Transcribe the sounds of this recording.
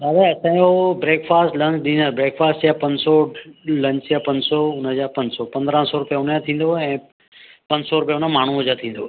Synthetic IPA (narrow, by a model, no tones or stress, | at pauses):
aːʋɛɐsãːjobɾeːkfaːsʈlɐ̃nt͡ɕɗĩːnabɾeːkfaːsʈd͡ʑjapɐ̃ɲsɔlɐ̃ɲt͡ɕjapɐ̃ɲsɔʊnəd͡ʑapɐ̃ɲsɔpɐ̃nd̪ɾə̃sɔɾʊpijaʊnjãt̪ʰĩːnd̪oɦɛ̃ː | pɐ̃ɲsɔɾʊpijaʊnamaːɳ̤uɦʊd͡ʑat̪ʰĩːn̆d̪oɦ